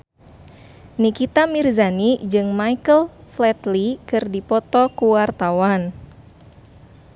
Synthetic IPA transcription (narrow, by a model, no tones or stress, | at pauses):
nikit̪amirzanid͡ʒɨŋmaikəlflɛt̪likɨrdipɔt̪ɔkuwart̪awan